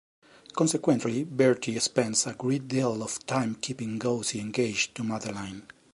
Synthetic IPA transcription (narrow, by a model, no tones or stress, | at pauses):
kɔ̃nsɛkwɛ̃nt̪libɛɹtʰiɛkspɛ̃nsaɡɹet̚d̪ilɔv̥tʰãjmkʰipĩŋɡowsiɛ̃ŋɡed͡ʒt̪umaðəɹlãj̃n